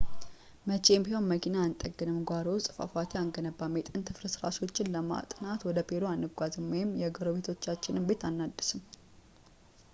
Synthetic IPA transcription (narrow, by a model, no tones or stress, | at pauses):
mət͡ʃʼembihonməkʰinaːnt̪ʼəɡɨnɨmɡʷaɾowst̪ʼɨ̥fa̰fat̪ʰiaŋɡənəbːamet̪ʼɨnt̪ʰɨfɾɨsɨɾa̰so̞t͡ʃːɪnləma̰t̪ʼɨnat̪wɔd̪əpʰeloanːɨɡʷazɨmwɔjɪmjɛɡəɾoβe̞t̪ʰo̞t͡ʃːat͡ʃːɪnɨmbe̞t̪anːad̪ːɨsɨm